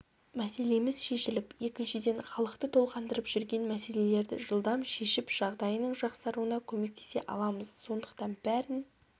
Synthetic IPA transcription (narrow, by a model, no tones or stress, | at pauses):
mæse̞le̞mɪzʃe̞ʃɪlɪpje̞kʲɪnʃɪd̪e̞ɴχɑlˠəqt̪ət̪ʰo̞lˠqɑnd̪əɾəpʒ̥ʏɾɡʲe̞nmæse̞le̞le̞ɾd̪ɪ̰ʒəlˠd̪ɑmʃe̞ʃɪpʒ̥ɑʁd̪ɑjənəɴʒɑqsɑɾuənɑkʲʰɵme̞k̚t̪ʰe̞se̞̰ʔɑ̰lˠɑməz̥so̞nd̪əqt̪ɑnbæɾɪn